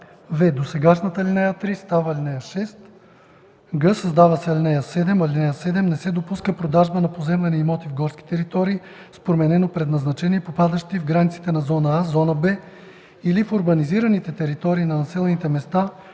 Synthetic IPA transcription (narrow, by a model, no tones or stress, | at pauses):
vɛd̪osɛɡaʃnɐt̪əlinɛjət̪ɾist̪avɐlinɛjɐʃɛst̪ | ɡɤsɐzd̪avɐsɛɐlʲinɛjɐsɛd̪ɛmɐlʲinɛjəsɛd̪ɛmnɛsɛd̪opuskəpɾod̪aʒbənɐpozɛmlɐnɛimɔt̪ivɡɔɾsk̟i̥t̪ɛɾit̪ɔɾiː | spɾomɛnɛnopɾɛd̪nɐznɐt͡ʃɛniɛpopad̪ɐʃt̪ivɡɾanʲit̪si̥t̪ɛnɐzɔnəazɔnɐbɛ | ilifoɾbɐniziɾɐnit̪ɛt̪ɛɾit̪ɔɾiːnɐnɐsɛlɛnit̪ɛmɛst̪a